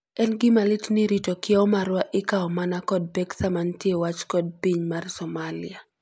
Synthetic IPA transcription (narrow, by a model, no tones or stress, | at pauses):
ɛnɡɪmalitnɪɾitɔkɪɔmaɾwaʔɪkaɔmanakɔd̚bɛksamantjewat͡ʃkɔd̚piɲmarsɔmalia